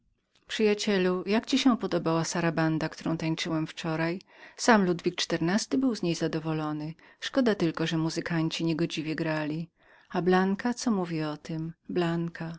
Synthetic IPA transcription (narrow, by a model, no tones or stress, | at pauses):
pʂɨjat͡ɕɛlujakt͡ɕiɕɛpɔd̪ɔbawasaɾaband̪akt̪uɾɔ̃w̃t̪ajt͡ʂɘwɛmft͡ʂɔɾajsamlud̪vʲik̚t͡ʂt̪ɛɾnast̪ɘbɘwzɲejzad̪ɔvɔlɔnɘ | ʂkɔd̪at̪ɘlkɔʐɛmuzɘkaɲt͡ɕiɲeɡɔd͡ʑivʲjɛɡɾalʲi | ablaŋkat̪sɔmuvʲiɔt̪ɘmblaŋkʰa